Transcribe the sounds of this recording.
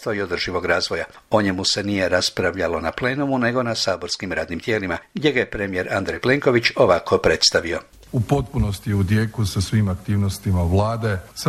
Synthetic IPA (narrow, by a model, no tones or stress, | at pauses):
t̪ʋoio̞d̪r̩ʒiʋo̞ɡɾaːzʋo̞ja | o̞ɲe̞muse̞nije̞ɾaspɾaʋʎalo̞naple̞ːnumune̞ɡo̞nasaːbo̞ɾskimɾaːd̪nimt̪je̞ːlimaɡd̪ʲje̞ɡaje̞pɾemije̞ɾʔand̪ɾejple̞ŋko̞ʋit͡ʃo̞ʋakʰo̞pɾe̞t̪st̪aʋio̞ | upo̞t̪̚punost̪iud̪jeːkusasʋiːmakt̪iːʋnost̪imaʋlˠaːd̪es